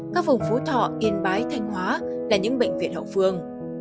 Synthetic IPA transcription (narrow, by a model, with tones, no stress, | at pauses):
kaː˦˥k̚vʊ˨˩ŋ͡mfo˨˦t̪ʰɔ̰˧˨ʔi˨˧˩ənɓaː˨˦jt̪ʰa˧jŋ̟ɦwaː˨˦laː˨˩ɲɨ̰˧˥ŋɓə̰˧˨ŋ̟vḭ˧˨ənhə̰˧˨wfɨ˧əŋ